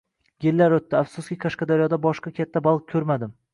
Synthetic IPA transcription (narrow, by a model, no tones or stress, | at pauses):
ɡʲelːaɾɵt̪ːɪafsʊskʲikʰaʃqɑd̪aɾjɒd̪abɒʃqɑkʲʰat̪ʰːabalˠq̚kʰɵɾmad̪ɪm